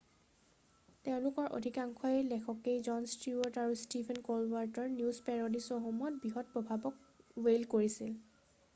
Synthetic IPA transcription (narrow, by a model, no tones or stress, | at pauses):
teʊ̃lʊkɔɹʔo̰dʱikaŋkʰɔjɛlɛkʰɔkejzɔnstiɔɹtaɹustibʰʱɛnkolwaɹtɔɹnjuzpɛɹodisɔɦɔmɔt̚biɦɔt̚pɹɔbʱabɔk̚welkoɹisil